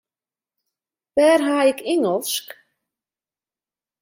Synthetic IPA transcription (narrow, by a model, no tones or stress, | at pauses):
ʋɛːrɦaːɪkɪŋəlˠsk